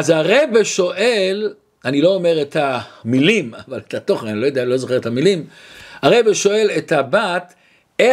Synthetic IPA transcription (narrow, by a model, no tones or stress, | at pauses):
azaʁejbeʃo̞ʔel | anilo̞ːmeʁet̪amilimavaletat̪o̞χenanilojodealo̞zoχeetamilimaʁejbeʃo̞e̞lethabat̪ | e